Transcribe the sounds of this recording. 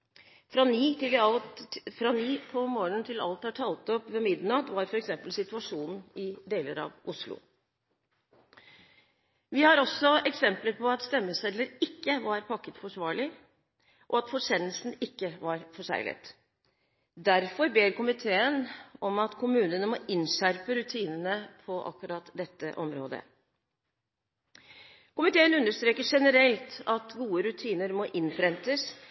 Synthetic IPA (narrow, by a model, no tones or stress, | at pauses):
fɾɑniːt̪ɪl | fɾɑniːpʰɔmoːɳənt̪ʰɪlɑ̰lt̪hɑʈʰɑːlt̪ɔpʋɛmɪd̪nɑt̪ʋɑɾfɔɾɛksɛmpəlsɪt̪ʉɑʂuːnn̩ɪd̪eːləɾɑ̰ʋʊslʊ̰ | ʋɪhɑɾɔsːɔɛksɛmpləɾpʰɔɑt̪st̪ɛmːəsɛlːəɾɪkːəʋɑɾpʰɑkːət̪fɔʂʋɑːɭɪ | ʔɔɑt̪fɔʂɛnəlsn̩ɪkːəʋɑɾfɔʂæ̰ɪlɪ̰t̪ | d̪æɾfɔɾbeːɾkʊmɪt̪ʰeːənɔmɑt̪kʰʊmʉːnənəmɔɪnʂæɾpəɾʉt̪ʰiːnənəpʰɔʔɑ̰kːʉɾɑt̪d̪ɛt̪ːə̰ʔɔmɾo̰ːd̪ə̰ | kʊmɪt̪ʰeːənʉnːəʂt̪ɾeːkəʂɛnəɾɛlt̪ɑt̪ɡuːəɾʉt̪ʰiːnəɾmɔʔɪnfʰɾɛnt̪əs